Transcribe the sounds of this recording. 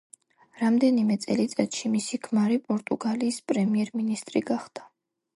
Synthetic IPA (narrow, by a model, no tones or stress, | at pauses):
ɾamd̪ɛnimɛt̪sʼɛlit̪sʼɛt̪ʃimisikʰmaɾipʼɔɾt̪ʼuɡaliːspʼɾɛmiɛɾminist̪ʼɾiɡaχd̪̥a